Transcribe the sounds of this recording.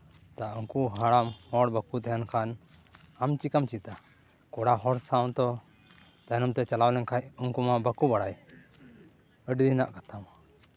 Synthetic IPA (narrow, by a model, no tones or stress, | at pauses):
t̪auŋkuɦaɽamhɔɽbakut̪ɛɦankʰan | amt͡ʃikamt͡ʃit̪a | kɔɽaɦɔɽsawt̪ɔ | t̪anɔmt̪ɛt͡ʃalawlɛŋkʰajuŋkumabakubaɽaj | əɖd̪ina̰ʔkat̪ʰama